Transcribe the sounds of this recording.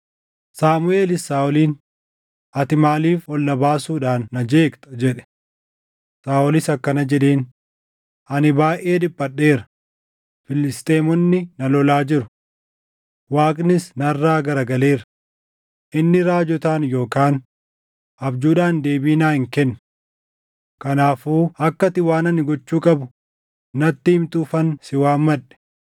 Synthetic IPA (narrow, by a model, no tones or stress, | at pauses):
saːmʊʔe̞ːlɪsaːʔɔliːn | ʔɐt̪ɪmaːliːfɔlːɐbaːsuːᶑaːnːɐd͡ʒeːkt̪ɐ̥d͡ʒɛᶑɛ̥ | saːɔlɪsɐkːɐnɐd͡ʒɛᶑeːn | ʔɐnɪbaːʔʔe̞ːᶑɪbːɐɗːe̞ːɾɐ | fɪlɪst̪ʼeːmɔnːɪnɐlɔlaːd͡ʒɪɾʊ̥ | waːkʼnɪsnɐrːaːɡɐɾɐɡɐle̞ːɾɐ | ʔɪnːɪɾaːd͡ʒɔt̪aːnjo̞ːkaːn | ʔɐbd͡ʒuːᶑaːnd̪e̞ːbiːnaːhɪŋkɛnːʊ̥ | kɐnaːfuːɐkːɐt̪ɪwaːnɐnːɪɡɔt͡ʃːuːkʼɐbʊ | nɐt̪ːimt̪uːfɐnsɪwaːmmɐᶑɛ̥